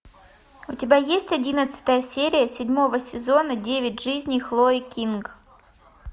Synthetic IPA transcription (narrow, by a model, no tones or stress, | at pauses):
ʊtʲɪbʲajesʲtʲɐdʲinət̪sɨ̥t̪əjəsʲeɾʲɪjəsʲɪdʲmo̞vəsʲɪzo̞nədʲevʲɪtʲʐɨzʲnʲijxlˠoɪkʲink